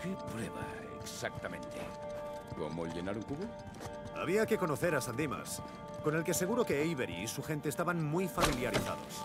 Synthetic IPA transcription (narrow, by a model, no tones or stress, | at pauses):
kepɾeβa̰ | ḛksak̚t̪amẽ̞nt̪ḛ | ko̰molʝenaɾuŋkuβo | a̰βiake̞ko̞no̞θe̞ɾasand̪ima̰s | kone̞lkese̞ɣ̞uɾo̞ke̞jβeɾḭsuxe̞nt̪eːst̪aβaŋmujfamiljaɾiθa̰ðo̰s